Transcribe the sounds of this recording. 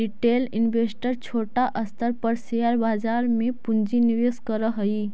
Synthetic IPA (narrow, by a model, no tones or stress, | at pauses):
ɾiʈeːlɪnbesʈəɾt͡ʃʰoːʈaʔəst̪ʰəɾpəɾsejaɾbaːd͡ʒaːɾmẽpund͡ʒiniʋeːskəɾəɦəi